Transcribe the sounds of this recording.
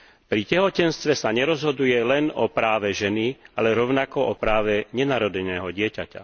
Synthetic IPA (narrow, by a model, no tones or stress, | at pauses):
pɾicɛɦɔcɛnst̪ʋɛsaɲɛɾɔzɦɔd̪ujɛlɛnɔpɾaːʋɛʒɛnialɛɾɔʊnakɔʔɔpɾaːʋɛɲɛnaːɾɔd̪ɛnɛːɦɔɟɪɛcaca̰